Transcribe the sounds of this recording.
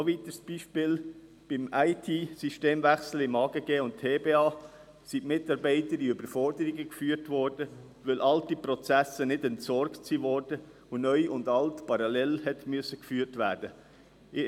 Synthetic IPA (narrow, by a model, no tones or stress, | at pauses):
soʋit̪əsb̥iːʃpɪːl | b̥ɪmaɪtʰisiʃteːmvæχsl̩ɪmɑːɡ̥əɡ̥eːʊnttʰeːbeːɑː | simɪtɑɾbɛɪtədiybəɾfɔɾdəɾiɡəkfyːtʋɔɾd̥ə | ʋɛlʔɑltipɾɔt͡sæsənɪdɛntsɔɾktsiʋɔɾd̥ə | onœʏʊndɑltpɑɾɑlɛlhɛt̪myəsəkfyːɾtʋæːɾd̥ə | ɪ